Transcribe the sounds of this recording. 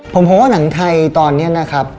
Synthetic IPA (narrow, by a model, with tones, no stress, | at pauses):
pʰo˨˩˦mpʰɔ˨˦waː˥˩na˩˦ŋt̪ʰa˧jt̪ɔː˧nːi˦˥ɐna˦˥kʰɾa˦˥p̚